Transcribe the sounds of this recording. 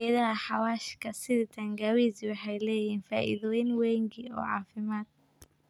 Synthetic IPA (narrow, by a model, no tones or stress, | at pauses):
ɐðɐɐħɑwaːʃkʰɐsɪðɪt̪ʰɐŋɡɐwiswɑħɑjlɛːjiːnfa̰ːʔɪ̰ðɔɪnwɛːŋɡiɔ̰ːʕɑːfɪmaːd̪̚